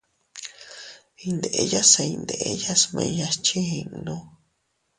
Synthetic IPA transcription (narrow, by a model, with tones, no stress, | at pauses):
i˧nd̪e˨ʔe˧ja˦sa˧ĩ˧nd̪e˨ʔe˧ja˦smẽ˧ja˧st͡ʃi˦i˧ʔnũ˧˦